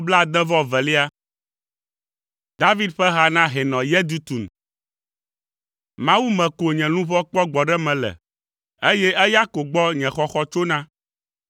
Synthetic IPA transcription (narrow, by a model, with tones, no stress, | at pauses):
bla˦˨d̪ɛ̃˦vɔ˦vɛ˨li˦a˦ | d̪a˦vi˦d̪ɸɛ˦ɦa˨nã˦ɦɛ˨nɔ̃˨jɛ˦d̪u˦t̪u˨n | mã˨wu˦mɛ̃˨ko˨ɲɛ̃˨nũ˦vɔ˦k͡pɔ˦ɡ͡bɔ˨ɖɛ˦mɛ̃˨lɛ̰˨ | e˦jɛ˦ʔɛ˦ja˦ko˨ɡ͡bɔ˦ɲɛ̃˨xɔ˨xɔ˦t͡ʃo˦nã˦